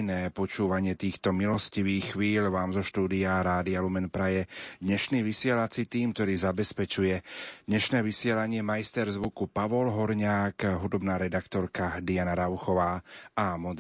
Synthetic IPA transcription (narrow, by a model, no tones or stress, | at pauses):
nɛːpɔt͡ʃuːʋaɲɪɛt̪iːxt̪ɔmilɔsciʋiːxxʋiːlʋaːmzɔʃt̪uːd̪iaɾaːd̪ialumɛnpɾajɛd̪ɲɛʃniːʋisɪɛlat͡sit̪iːmk̚t̪ɔɾiːzabɛspɛt͡ʃujɛd̪ɲɛʃnɛːʋisɪɛlaɲɪɛmajst̪ɛɾzʋukupaʋɔlɦɔɾɲaːkɦud̪ɔbnaːɾɛd̪akt̪ɔɾkad̪ianaɾaʊxɔʋaːamɔd̪